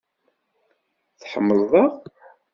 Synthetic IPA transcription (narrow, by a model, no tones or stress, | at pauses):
θħə̰mːəlˤðˤɑʁ